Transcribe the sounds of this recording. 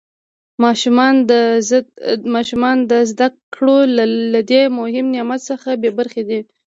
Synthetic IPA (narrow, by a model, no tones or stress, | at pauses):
mɑʃumɑnd̪ə | mɑʃumɑnd̪əzd̪akɽolalad̪emʊhɪmnjɑmat̪səxabebaɾxed̪i